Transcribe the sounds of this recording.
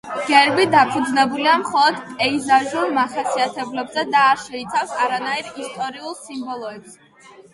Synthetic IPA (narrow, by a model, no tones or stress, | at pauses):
ɡ̥ɛɾbid̪apʰud̪znɛbuliamχɔlˠɔd̪pʼɛizaʒulˠmaχasiat̪ʰɛblɛbzɛd̪aːɾʃɛit̪sʰafsaɾanaiɾist̪ʼɔɾiulˠsimbɔlˠɔɛpsɛ